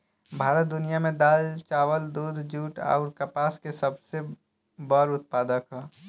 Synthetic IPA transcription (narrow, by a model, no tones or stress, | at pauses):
bʱaːɾət̪̚d̪ʊnijamẽd̪aːlt͡ʃaːwəld̪uːd̪ʱd͡ʒuːʈɔ̰ʊɾkəpaːskesəbse | bəɾʊt̪̚paːd̪əkɦɛ